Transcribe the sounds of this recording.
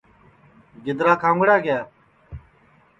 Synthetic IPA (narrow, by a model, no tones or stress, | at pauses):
ɡɪd̪ɾaːkʰãːŋɡɽaːɡɪjaː